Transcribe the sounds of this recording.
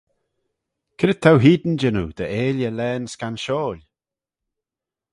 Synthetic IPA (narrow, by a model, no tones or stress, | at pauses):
kʰɪɾət̪ʰːawɦiːd̪n̩d͡ʒɪnud̪̥əʔeːljəlɛːnskanʃoːlʲ